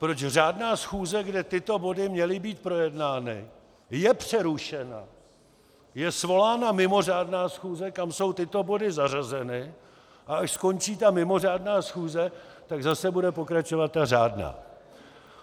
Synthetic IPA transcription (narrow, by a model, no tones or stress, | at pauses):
pɾo̞t͡ʃr̝aːdnaːsxuːzɛɡdɛt̪ɪt̪o̞bo̞dɪmɲɛlɪbiːt̪̚pɾo̞jɛdnaːnɪ̰ | jɛpr̝̥ɛɾuʃɛna̰ | jɛsvo̞laːnamɪmo̞r̝aːdnaːsxuːzɛkamso̞wt̪ɪt̪o̞bo̞dɪzarazɛnɪ | ʔaaʃsko̞nt͡ʃiːt̪amɪmo̞r̝aːdnaːsxuːzɛt̪aɡzasɛbudɛpo̞kɾat͡ʃo̞vat̪̚ːaraːdna̰ː